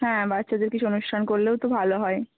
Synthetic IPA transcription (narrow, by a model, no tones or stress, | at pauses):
ɦɛ̃batːɕʰad̪eɾkit͡ɕʰuonuʃʈʰankoɾleot̪obʱaloɦɔe